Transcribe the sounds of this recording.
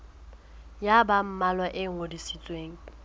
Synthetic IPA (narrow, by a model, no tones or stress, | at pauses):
jabam̩malwaʔɪŋ̩odisit͡sʼweːŋ̩